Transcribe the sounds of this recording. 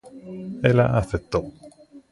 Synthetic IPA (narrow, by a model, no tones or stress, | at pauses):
ela̰ʔaθet̪ːo